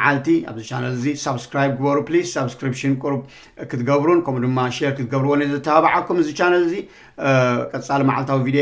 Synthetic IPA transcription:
ʕalt̪ʰiʔa̰βzɨt͡ʃʰanɐlzisaβskɾajb̚ɡɨβɐɾuplisːaβskɾipʃɨnkʼuɾub | kʰɨt̪ɡɐβɾunkʰɐmud̪ɨmːaʃeɾkʰɨt̪ʰɡɐβɾuwonezɐt̪ʰːɐhaβaʕakʰːumɨzɨt͡ʃːanɐlzi | kʼɐt͡sʼalma̰ʕa̰lt̪ʰawivid̪e

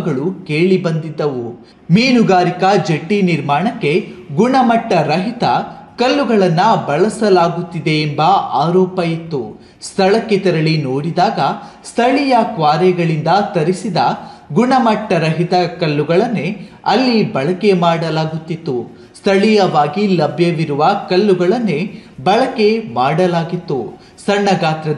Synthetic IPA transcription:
ɡɐɭukeːɭibɐnd̪id̪ːɐʋu | miːnuɡaːɾikɐd͡ʒeʈːiniɾmaːɳɐkːe̞ɡuɳɐmɐʈːɐɾɐɦit̪ɐkɐlːuɡɐɭɐnːɐbɐɭɐsɐlaːɡut̪ːid̪e̞ːmbɐaːɾɔːpɐjit̪ːu | st̪ʰɐɭɐkːet̪ɛɾɐɭinoːɽid̪aːɡɐst̪ʰɐɭijɐkʋaːɾɛɡɐɭind̪ɐt̪ɐɾisid̪ɐɡuɳɐmɐʈːɐɾɐɦit̪ɐkɐlːuɡɐɭɐnːe | ɐlːibɐɭɐke̞maːɽɐlaːɡut̪ːit̪ːu | st̪ʰɐɭijɐʋaːɡilɐbʱjɐʋiɾuʋɐkɐlːuɡɐɭɐnːebɐɭɐke̞maːɽɐlaːɡit̪ːu | sɐɳːɐɡaːt̪ɾɐ

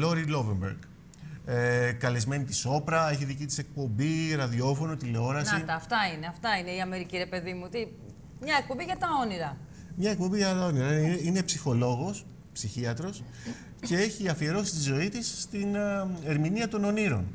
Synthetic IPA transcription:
lo̞ɾilo̞ve̞mbḛɾɡ | ekɐle̞zme̞nit̪iso̞pɾɐe̞çiðicit̪i̥sek̚po̞mbiɾɐðio̞fo̞no̞t̪ileo̞ɾɐsit̪ɐft̪ɐineɐft̪ɐine̞iɐme̞ɾiciɾe̞pe̞ðimut̪i | mɲɐek̚pobiʝɐt̪ɐo̞niɾɐ | mɲɐek̚po̞mbiʝɐt̪ɐo̞niɾɐine̞psixo̞lo̞ɣo̞s | psiçiɐt̪ɾo̞s | ce̞e̞çiɐfie̞ɾo̞sist̪izo̞it̪ist̪ine̞ɾminiɐt̪o̞no̞niɾo̞̰n

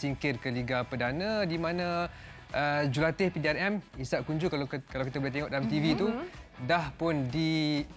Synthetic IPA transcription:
siŋkɪrkəliɡapədanãdimãnã | ʔəd͡ʒulat̪ɪhpidiɛrɛmisaʔkuɲd͡ʒukalakalawkit̪abuleht̪eŋɔʔdalamt̪ivit̪udahpʊndi

